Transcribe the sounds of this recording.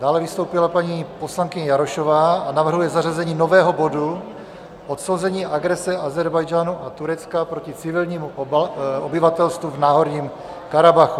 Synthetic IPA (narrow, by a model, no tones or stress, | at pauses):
d̥aːlɛvɪst̪owpɪlapaɲiːposlaŋkɪɲɛjaɾoʃovaːanavr̩ɦujɛzarazɛɲiːno̞vɛːɦo̞bo̞du | ʔot̪sowzɛɲiːʔaɡɾɛsɛazɛɾbajd͡ʒaːnuʔat̪uɾɛt͡skapɾo̞cɪt͡sɪvɪlɲiːmu | obɪvat̪ɛlst̪vuvnaːɦo̞ɾɲiːm | kaɾabaxu